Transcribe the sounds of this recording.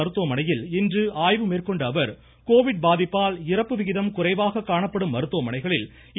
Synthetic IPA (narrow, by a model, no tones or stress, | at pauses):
ɐɾɯt̪ːuʋɐmɐnɐjɪlɪndrɯaːjʋɯmeːrkɔɳɖɐʋɐɾ | koːʋɪɖ̚baːðɪpːaːlɪrɐpːɯʋɪɣɪðɐmkʊrɐɪʋaːɣɐkːaːɳɐpːɐɽɯmːɐɾɯt̪ːuʋɐmɐnɐɪɣɐɭɪl